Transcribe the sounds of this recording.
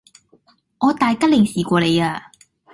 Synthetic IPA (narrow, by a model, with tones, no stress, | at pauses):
ʔɔ˥˧˦t̪a˨˧˩jka˥li˨˩ŋsi˨˩kwɔ˨˧˩le˨˧˦ə˧˩